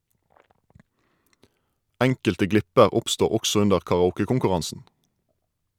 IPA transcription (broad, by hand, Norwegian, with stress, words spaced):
ˈæŋkəltə ˈɡlɪpəʁ ˈʊpstuː ˈɔksɔ ˈʉndəʁ kɑʁɑˈuːkəkʊŋkʉˌʁɑnsn̩